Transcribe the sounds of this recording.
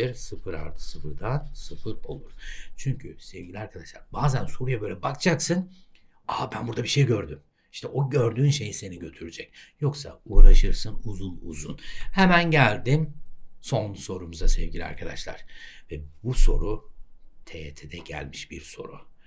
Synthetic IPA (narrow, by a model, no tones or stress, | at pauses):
iɾsɯfɯɾa̰ɾt̪ʰɯ̥sɯfɯɾd̪ansɯfɯɾo̞̰lˠuɾ̥t͡ʃʰyɲcʰysɛvɟilʲiaɾkʰad̪aʃlˠaɾbaːzænso̞ɾujabølʲɛbakt͡ʃʰaksɯn | aabænbuɾd̪abiʃejɟø̞ɾd̪ym | i̥ʃt̪ʰɛʔo̞ɟø̞ɾd̪yːnʃe̞jise̞niɟø̞t̪ʰyɾyd͡ʒɛcjo̞ksa̰uːɾaʃɯɾsɯnuzunˠṵzṵnhɛmænɟælʲd̪imso̞nso̞ɾumuzasɛvɟilʲḭa̰ɾkʰad̪aʃlˠa̰ɾ̥vɛbuso̞̰ɾut̪ʰet̪ʰed̪ɛɟæ̰lʲmiʃbiɾso̞̰ɾu